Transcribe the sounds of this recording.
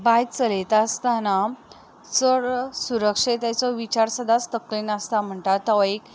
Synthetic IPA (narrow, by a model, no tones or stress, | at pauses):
baj̪t͡səlet̪ast̪ana | t͡səɽsuɾəkʂet̪at͡sɔʋit͡ɕaɾsəd̪ʱast̪əklinast̪am̤əɳʈ̪at̪aʋaek